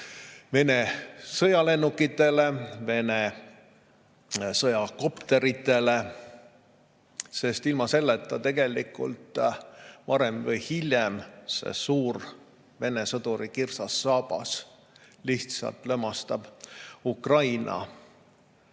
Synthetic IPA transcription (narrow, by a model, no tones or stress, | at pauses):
ve̞ne̞sɤjɑle̞nːukːˑit̪ːˑe̞le̞ve̞ne̞ | sɤjɑko̞pt̪e̞ɾit̪ːˑe̞le̞ | se̞st̪ilmɑse̞lːet̪ːˑɑt̪e̞ɡe̞likːˑṵlt̪ | vɑɾemvɤjhilʲjemse̞̰suːr | ve̞ne̞sɤd̪̥uɾikirsɑsːɑːb̥ɑ̰s | liht̪sɑ̰lt̪lømːɑst̪ɑb̥ukrɑjnɑ̰